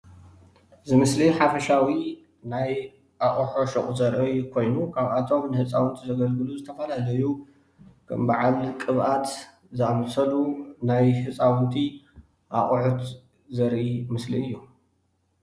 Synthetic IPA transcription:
zɨmɨsliħafɐʃawi | naj | ʔaχʼuħoʃɨχʼuzɐɾʔikʰo̞jnukʰaβʔat̪ʰo̞mnɨhɨt͡sʼːawɨnt̪ʰizɐɡɐlɡɨluzɨt̪ʰɐfɐlalɐju | kʰɐ̰mbaʕalkʼɨβʔat̪ | zɨʔamɐsɐlunajhɨt͡sʼawɨnt̪ʰi | ʔaχʼħut̪ | zɐɾʔimɨsliɨjːu

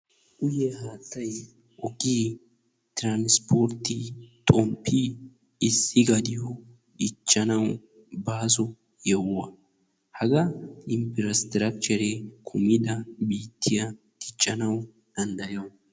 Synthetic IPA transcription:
ʔʊjɛhaːt̪ːɐj | ʔɔɡʼiː | t̪ɪɾanspoːɾt̪ɪt̪ʼɔmpːi | ɪsːɪɡɐd̪ɪjɔ | ɪt͡ʃʼːɐnɐw | baːs̬ɔ | jɛwːɐ | hɐɡɐlɪmpɪɾɐst̪ɾɐk̚t͡ʃɛɾekʰʊmɪd̪ɐbiːt̪ʰːɪjɐ | t̪ɪt͡ʃʼːɐnɐw | d̪̥ɐnd̪ɐjɐw

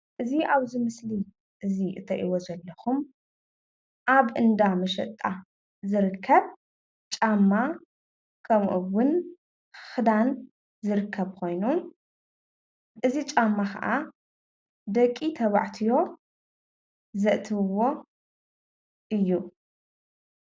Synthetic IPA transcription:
ʔɨziʔaβzɨmɨsli | ʔɨziʔɨ̰t̪ʰɐʔiwozɐlːɐxum | ʔaβʔɨnd̪amɐʃɐ̰t̪ʼːa | zɨɾɨkʰːɐβ | t͡ʃʼamːa | kʰɐmʔuwʊn | xɨd̪an | zɨɾɨkʰːɐβkʰo̞jnu | ʔɨzit͡ʃʼamːaxʰɐ̰ʔa | d̪ɐkʼːit̪ʰɐβa̰ʕt̪ʰijo̞ | zɐʔt̪ʰɨβɨwo̞ | ʔɨjːu

